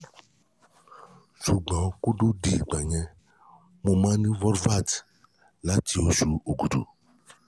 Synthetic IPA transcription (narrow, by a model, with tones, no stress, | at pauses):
su˨ɡ͡bã˨ku˦ɖo˦di˨ɡ͡bã˨ɲɛ̃˦ | mõ˨mã˦nĩ˦vɔ˦ɾva˦˨t | la˦ti˨o˨su˦o˨ɡu˨dṵ˨